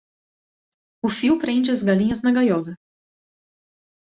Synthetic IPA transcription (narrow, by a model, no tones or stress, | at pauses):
ʊfiwpɾẽnd͡ʒɪɐzɡalĩɲɐznɐɡajɔvɐ